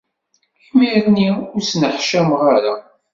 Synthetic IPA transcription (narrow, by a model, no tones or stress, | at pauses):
imiɾniʊɾsnəħʃæmʁaɾa